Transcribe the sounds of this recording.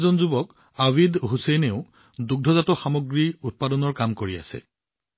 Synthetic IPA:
zɔnzubɔk | awidɦusejneʊ | duɡ̚dʱɔzatɔxamɔɡɹiut̚padɔnɔɹkamkoɹia̰sɛ̰

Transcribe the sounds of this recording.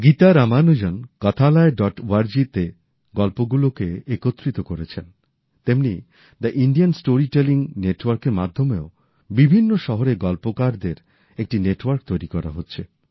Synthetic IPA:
ɡit̪aɾamanud͡ʑonkɔt̪ʰalaeɖɔʈwaɾd͡ʑit̪e | ɡɔlpoɡulokeekot̪ːɾit̪okoɾet͡ɕʰen | t̪emni | d̪aʔiɳɖiansʈoɾiʈeliŋneʈwaɾkeɾmad̪ʱːomeo | bibʱinːoʃɔɦoɾeɡɔlpokaɾd̪eɾ | ek̚ʈineʈwaɾkt̪ojɾikɔɾa̰ɦotːɕʰe

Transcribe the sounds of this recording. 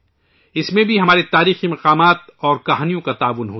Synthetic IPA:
ɪsmẽbʱiɦɐmaːɾet̪aːɾiːximɐqaːmaːt̪ɔːɾkɐɦaːnijõkat̪aːʋʊnɦoː

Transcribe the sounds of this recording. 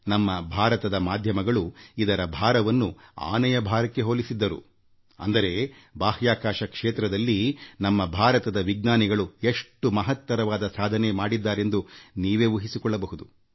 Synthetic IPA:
nɐmːɐbʱaːɾɐt̪ɐd̪ɐmaːd̪ʱjɐmɐɡɐɭuid̪ɐɾɐbʱaːɾɐʋɐnːua̰ːnɐjɐbʱaːɾɐkːeɦoːlisid̪ːɐɾṵ | ɐ̰nd̪ɐɾe̞ | baːhjaːkaːʃɐkʂeːt̪ɾɐd̪ɐlːinɐmːɐbʱaːɾɐt̪ɐd̪ɐʋiɡ̚naːniɡɐɭue̞ʂʈːumɐɦɐt̪ːʋɐɾɐʋaːd̪ɐsaːd̪ʱɐnemaːɽid̪ːaːɾe̞nd̪uniːʋe̞ːʋuɦisikɔɭːɐbɐɦud̪u

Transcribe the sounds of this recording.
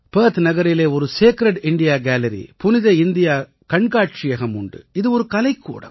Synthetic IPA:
peːt̪nɐɣɐɾɪleːɔɾɯseːkɪɾɛʈɪɳɖɪjaːɡaːlɐɾḭpʊnɪðɐɪnd̪ɪjaː | kɐɳɡaːʈt͡ʃɪjɐɣɐmʊɳɖɯ̰ɪðɯɔɾɯkɐlɐɪkːṵːɽɐ̰m

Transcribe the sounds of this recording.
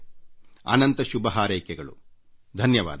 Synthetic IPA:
ɐ̰nɐnt̪ɐʃubɐɦaːɾɐjkɛɡɐɭṵ | d̪ʱɐnjɐʋa̰ːd̪

